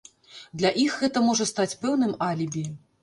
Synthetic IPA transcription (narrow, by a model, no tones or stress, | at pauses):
d̪lʲɐʔixɣɛt̪ɐmɔʐɐst̪at͡sʲpɛwn̪ɨmalʲibʲi